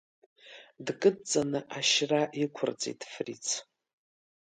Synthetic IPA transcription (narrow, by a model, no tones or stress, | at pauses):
dkʼɨt͡sʼːanɨʔaʃraʔikʷʰʊrt͡sʼḭtʰʼfrit͡sʰ